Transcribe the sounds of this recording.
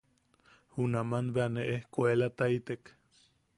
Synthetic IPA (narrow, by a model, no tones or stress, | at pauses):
hunamanbeaneʔehkʷoelat̪ait̪ek